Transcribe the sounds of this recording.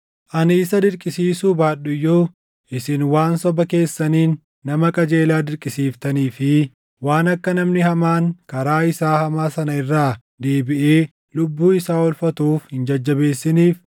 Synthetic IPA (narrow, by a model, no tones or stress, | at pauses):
ʔɐnɪːsɐd̪ɪɾkʼɪsiːsuːbaːɗʊjːoː | ʔɪsɪnwaːnsɔbɐke̞ːsːɐniːnː | ɐmɐkʼɐd͡ʒe̞ːlaːd̪ɪɾkʼɪsiːft̪ɐniːfɪ | waːnɐkːɐnɐmnɪhɐmaːŋkɐɾaːɪsaːhɐmaːsɐnɐɪrːaː | d̪e̞ːbɪʔeː | lʊbːuːɪsaːɔlfɐt̪uːfhɪnd͡ʒɐd͡ʒːɐbe̞ːsːɪniːf